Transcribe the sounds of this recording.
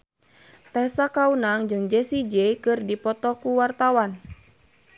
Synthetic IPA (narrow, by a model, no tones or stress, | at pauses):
t̪ɛsakaunaŋd͡ʒɨŋd͡ʒɛsid͡ʒɛkɨrdipɔt̪ɔkuwart̪awan